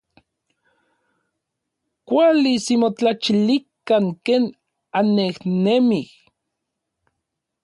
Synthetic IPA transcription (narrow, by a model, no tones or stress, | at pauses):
kʷalisimot͡ɬat͡ʃilikaŋkeːn | anːehnemih